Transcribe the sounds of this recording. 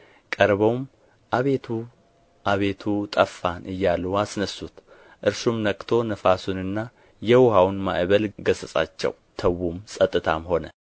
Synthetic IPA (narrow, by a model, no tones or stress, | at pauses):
kʼəɾβəwm | ʔaβe̞t̪ʰu | ʔaβe̞t̪ʰut̪ʼəfːanʔɨjːaluasnəsut̪ | ʔɨɾsumnəkʼt̪ʰo̞nəfasunɨnːa | jɛwʊhawnma̰ʔβəlɡəsəsʼa̰t͡ʃːɛ̰wt̪ʰəwumsʼət̪ʼːɨt̪ʰamho̞nə